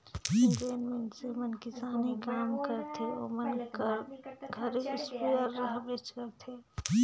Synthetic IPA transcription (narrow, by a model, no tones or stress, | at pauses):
ʈeːnmẽɳʈsemənkɪsaːnikaːmkəɾt̪ʰeo̰ːmənkɡʱɐɾeɪspijəɾːɐɦbeːt͡ʃkɐɾt̪ʰe